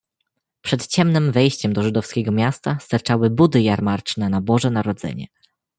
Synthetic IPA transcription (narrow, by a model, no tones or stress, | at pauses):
pʂɛt̪t͡ɕɛmnɘmvɛjɕt͡ɕɛmd̪ɔʐɘd̪ɔfskʲɛɡɔmʲjast̪ast̪aɾt͡ʂawɘbud̪ɘjaɾmaɾt͡ʂnɛnabɔʐɛnaɾɔd̪zɛ̰ɲɛ̰